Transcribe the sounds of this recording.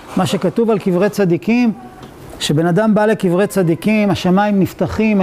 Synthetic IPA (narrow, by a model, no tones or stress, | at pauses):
maʃe̞kat̪uvalkivʁet͡sad̪ikim | ʃebe̞nad̪ambale̞kivʁet͡sad̪ikimaʃamaimnift̪aχim